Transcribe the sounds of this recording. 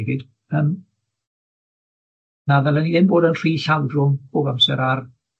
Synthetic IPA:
ɡɪd̥ | əm | naðɛlˠɛniðɪnboːdənr̥iːɬawdrʊmboɡamsɛɾar

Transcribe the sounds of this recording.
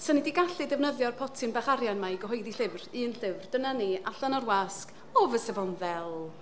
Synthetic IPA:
sənidiɡaɬɨdɛvnəðjɔrpʰɔtʰɨnbaχaɾjanmaiɡəɦɔjðiɬɪvrɨːənɬɪvrd̥ənaniaɬanɔrwask | ɔvəsɛvɔnðɛlˠ

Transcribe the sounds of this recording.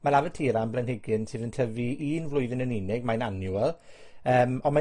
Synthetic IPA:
maɾavətʰiːɾamblˠɛnhɪɡɪnsʰɨːðəntʰəviiːnvlʊɨðɪnəninɪɡ̚mananjuɛlˠ | əːmɔnma

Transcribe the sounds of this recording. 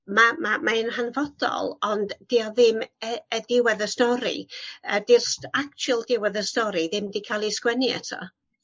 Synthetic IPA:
mamamaɪnɦanvɔd̥ɔ̰lˠɔndd̥iɔðɪməədɪwɛðəstɔɾḭəd̥irsak̚t͡ʃʰulˠdɪwɛðəstɔɾiðɪmdikʰalˠiskwɛniɛ̰tʰɔ̰

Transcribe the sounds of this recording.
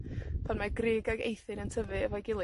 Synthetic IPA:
pʰɔnmaɡrɪːɡaɡḛjθɨnəntʰəvɨəvɔjɡɪlˠ

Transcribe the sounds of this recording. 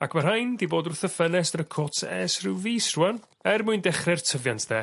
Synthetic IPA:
akʰmar̥ajndiboːdʊθəfɛnɛsəɾəkʰɔtʰɛsrɪwviːsruːan | ɛrmuɨndɛχrɛrtʰəvjantʰdɛ

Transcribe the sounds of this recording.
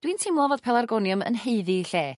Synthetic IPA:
d̥wintʰɪmlˠɔvɔːd̥̚pʰɛlˠarɡɔnjʊmə̰nheɨðiɬeː

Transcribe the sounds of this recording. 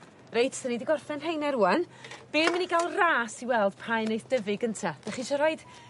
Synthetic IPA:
rejtʰsənidiɡɔrfɛnɦejnɛɾuːan | b̥eːməniɡalˠraːsiwɛlˠd̥pʰajnoɨθd̥əvɪɡəntʰad̥aχiʃɔɾɔɨd̥

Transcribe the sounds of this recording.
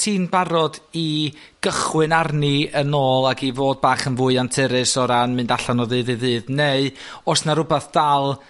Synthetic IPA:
tʰiːnbaɾɔdi | ɡ̥əχwɨnarniənoːlˠaɡivoːd̚baːχənvʊːɨantʰɨɾɨsɔɾanmɨndaɬanɔðɨːðɨðɨːðneɨ | ɔsnaɾʊbaθd̥alˠ

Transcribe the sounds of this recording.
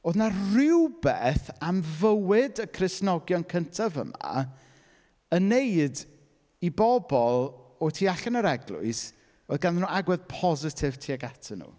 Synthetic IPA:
oːðnarɪwbeːθamvəwɪdəkʰrɪsnɔɡjɔnkʰəntʰavə̰ma̰ | ənejd | ibɔbɔlˠɔtʰiːaɬanəɾɛɡlˠʊ̰ɨs | oːðɡanðənuaɡwɛðpʰɔzɪtʰɪv̥tʰiːaɡatʰənṵ

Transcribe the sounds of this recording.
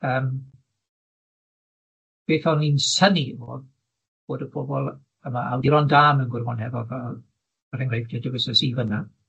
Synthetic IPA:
əːm | b̥eːθɔlˠninsənivo̰ːð | b̥oːdəpʰobɔlˠ | əmaʔawdiɾɔndaːmənɡʊrwɔnhɛvɔðɔ | ərɪŋrejvd̥ʰiadəɡəsəsiːvəna

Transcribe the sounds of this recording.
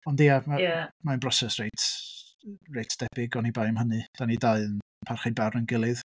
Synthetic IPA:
ɔndijamaamanbrɔsɛsrejtʰ | rejtʰd̥ɛb̥ɪɡɔnibajmhənɨd̥anidaɨn | pʰarχɨbarnənɡɪlˠɨð

